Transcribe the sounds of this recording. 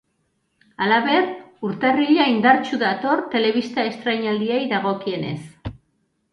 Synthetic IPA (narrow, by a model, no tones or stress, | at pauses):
alaβe̞ruɾt̪eriʎaind̪aɾt͡ʃuðat̪o̞ɾt̪e̞le̞βist̪ae̞st̪ɾajɲald̪iajðaɣo̞kie̞ne̞̰s